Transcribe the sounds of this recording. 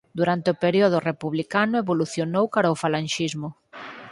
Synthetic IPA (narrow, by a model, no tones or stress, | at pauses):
d̪uɾant̪eopeɾioðʊrepuβlikanʊeβoluθjonowkaɾaofalanʃizmʊ